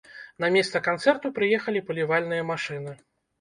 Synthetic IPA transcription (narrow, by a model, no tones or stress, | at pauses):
n̪ɐmʲɛst̪sɐkant̪sɛrt̪upɾɨjɛxɐlʲipɐlʲivalʲnɨjɐmaʂɨnɨ